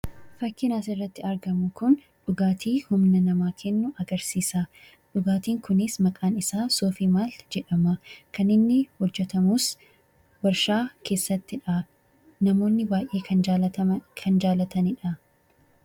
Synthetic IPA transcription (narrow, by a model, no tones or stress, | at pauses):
fɐkːɪnaːsɪrːɐt̪ːɪɐɾɡɐmʊkʊn | ᶑʊɡaːt̪iːhʊmnɐnɐmaːkʰɛnːʊʔɐɡɐɾsiːsaː | ᶑʊɡaːt̪iːŋkʊnɪsmɐkʼaːnɪsaːso̞ːfiːmaːld͡ʒɛᶑɐmɐkɐnɪnːɪhɔd͡ʒːɛt̪ɐmuːs | bɐɾʃaːkʰe̞ːsːɐt̪ːɪᶑɐ | nɐmo̞ːnːɪbaːjʔe̞ːkʰɐ | kʰɐnd͡ʒaːlɐt̪ɐnɪᶑɐ